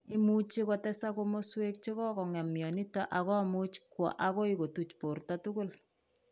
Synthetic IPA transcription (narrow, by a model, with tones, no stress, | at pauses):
ɪ˦mu˦t͡ʃi˦kɔ˦tɛsa˦komo˦swe˦k̚t͡ʃe˦kɔ˦kɔ˨ŋɛ˨mjɔ˨ni˦tɔ˦ʔa˨kɔ˦mu˦t͡ʃkwɔ̰˨ʔa˨kɔ˦iko˨tu˨t͡ʃpo˨rtɔtʊkʊ˦l